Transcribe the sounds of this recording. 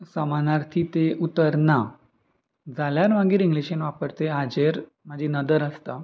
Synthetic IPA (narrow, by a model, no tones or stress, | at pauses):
səmanaɾt̪ʰit̪eʔut̪əɾna | d͡zaljaɾʋaɡiːɾiŋɡliɕenʋapəɾt̪eɦad͡ʑeɾ | məd͡ʑʱinəd̪əɾəst̪a